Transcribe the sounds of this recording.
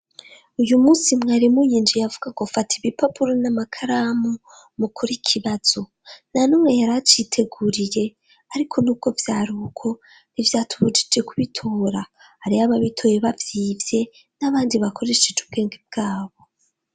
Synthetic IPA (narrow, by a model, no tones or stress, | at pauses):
ujumuːsimŋaːɾimujiːnd͡ʒijavuɡakofatʰiβipapuɾonamakʰaɾamu | mukʰuɾikʰiβaz̥o̞ | nanomŋe̞jaɾat͡ʃiːtʰe̞ɡuɾije̞ | aɾikʰo̞nuːb̚ɡo̞vjaːɾukʰo̞ | nivjaːtʰuβud͡ʒi̥d͡ʒe̞kʰuβitʰoːɾa | haɾiaβaβitʰo̞je̞βavjiːvje̞ | naβaːndiβakʰo̞ɾe̞ʃed͡ʒub̚ɡe̞ːŋɡeb̚ɡ̥aːβo̞